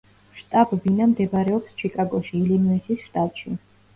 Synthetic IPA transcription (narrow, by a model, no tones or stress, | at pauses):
ʃt̪ʼabbinamd̪ɛbɾɛɔpst͡ʃʰikʼaɡɔʃiːlinuisisʃt̪ʼat̪ʼʃi